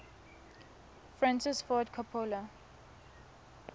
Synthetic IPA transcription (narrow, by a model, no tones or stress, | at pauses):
fɹãnsɪsfɔdkʰapʰola